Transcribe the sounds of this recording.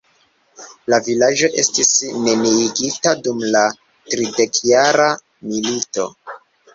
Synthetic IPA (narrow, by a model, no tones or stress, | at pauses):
lavilad͡ʒo̞ʔe̞stisne̞niːɡitadumla | tɾide̞kjaɾa | milito̞̰